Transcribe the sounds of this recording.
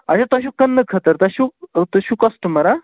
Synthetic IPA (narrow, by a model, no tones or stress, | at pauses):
aɕãt̪əɕukənːəkʰət̪əɾt̪aɕut̪əɕukɔsʈəməɾa